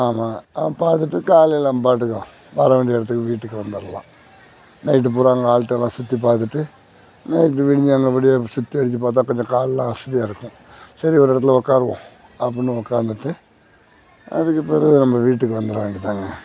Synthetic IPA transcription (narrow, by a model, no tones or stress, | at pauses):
aːmaːpaːɾt̪ɯʈːɯkaːlɛlːãːmpaːʈ̬ːɯkːɐ | ʋɐɾɐʋeːɳɖɪɛɽɐt̪̬ːɯkːɯʋiːʈːɯkːɯʋɐnd̪ɐɾɐlã̰ː | nɐɪʈ̬ːɯp̬ʊɾaːŋɡɐaːɭt̪ːɛlːãːsʊt̪ːipaːɾt̪̬ɯʈːɯ | nɐjʈ̬ːɯʋɪɽɪɲd͡ʒaːŋɡɐʋɐɽɪjasʊt̪ːiɐɽɯt͡ɕːɯpaːɾt̪̬ːãːkɔɲd͡ʒɐ̃kaːllãːɐsɪðijaːɪɾɯkːʊ̃ | sɐɾiɔɾɪɽɐt̪̬ːɪlɔkːaːɾɯʋõ̰ː | ɐpːɐnːɯɔkːaːnd̪ɯʈːɯ | ɐ̰ðɯkːɯpeːɾɐnɐmːɐʋiːʈːɯkːɯʋɐnd̪ɐɾɐʋaŋɡit̪aːŋɡɐ